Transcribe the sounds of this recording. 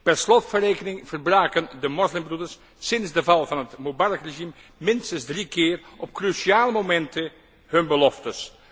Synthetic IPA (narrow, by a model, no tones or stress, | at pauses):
pɛrslɔtfəreːkənɪŋv̥ərbraːkəndəmɔslɪmbrudəɹs | sɪnzdəvɑlˠvɑnɦətmobɑrkreʒim | mɪnstənzdrikɪːrɔp̚krysiaːləmomɛntə | ɦɵnbəlɔftəs